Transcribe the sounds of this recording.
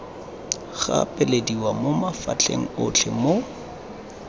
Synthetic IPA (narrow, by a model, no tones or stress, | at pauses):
ɣa̰pʼɛlediwamomafa̰t͡ɬʰʼḛŋ̩ʊt͡ɬʰɛmo